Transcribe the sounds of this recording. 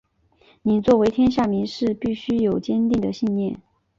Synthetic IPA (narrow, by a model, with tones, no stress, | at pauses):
ni˨˩nt͡swɔ˥˩we˧˥ɪt̪ʰjɛ˥nɕ̬ja˥˩mi˧˥nʂɻ̩˥˧pi˥˩ɕy˥jo˨˩ʊt͡ɕjɛ˥nt̪i˥˩ŋd̪ə˩ɕi˥˧nnjɛ˥˩n